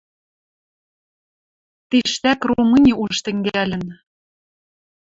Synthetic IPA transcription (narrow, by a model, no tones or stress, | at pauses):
t̪iʃt̪ækroumɤnʲiʔuʃt̪ɘ̆ŋɡælʲɘ̆n